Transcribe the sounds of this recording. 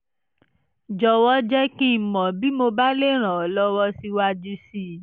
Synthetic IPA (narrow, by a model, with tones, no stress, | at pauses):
d͡ʒɔ˧wɔ˦d͡ʒɛ˦kĩ˦˨mɔ̃˨bi˦mo˧ba˦le˦˨ɾ̃ã˨ɔ˨lɔ˦wɔ˦si˧wa˧d͡ʒu˧si˦˨